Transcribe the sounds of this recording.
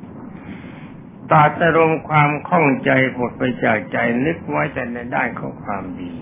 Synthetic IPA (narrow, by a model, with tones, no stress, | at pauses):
t̪aː˨˩t̪̚ʔa˧ɾo˧mkʰwaː˧mkʰɔ˥˩ŋt͡ɕa˧jbo˨˩t̪̚pa˧jt͡ɕaː˨˩k̚t͡ɕa˧jnɯ˦˥k̚wa˦˥jt̪ɛː˨˩na˧jdaː˥˩nkʰɔː˧˩kʰwaː˧mdiː˧